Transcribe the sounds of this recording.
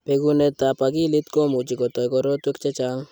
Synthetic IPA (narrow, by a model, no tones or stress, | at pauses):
peɡunet̪apaɡilit̪kɔmud͡ʒiɡɔt̪ajɡɔɾɔt̪ekt͡ʃet͡ʃaŋ